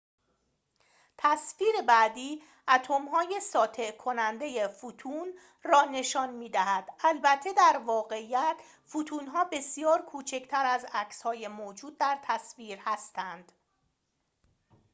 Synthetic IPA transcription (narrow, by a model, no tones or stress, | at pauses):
t̪ʰæsfiːɾe̞bæːd̪iː | ʔæt̪ʰomɦɒːje̞sɒːt̪ʰe̞kʰonænd̪e̞jefut̪ʰuːn | rɒːne̞ʃɒːnmiːd̪æɦæd̪̥ælbæt̪ʰːe̞d̪æɾvɒːɣe̞ijæt̪ʰ | fut̪ʰuːnɦɒːbe̞sijɒːɾkʰuːt͡ʃʰe̞cʰt̪ʰæɾæzæcshɒːje̞mod͡ʒuːd̪̚ːæɾt̪ʰæsfiːɾhæst̪ænd̪̥